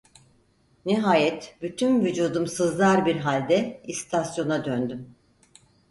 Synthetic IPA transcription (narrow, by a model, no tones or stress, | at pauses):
niɦaːjɛt̪byt̪ʰynvyd͡ʒuːd̪umsɯzlˠaɾbiɾɦalʲd̪ɛist̪ʰasjo̞nad̪ønd̪ym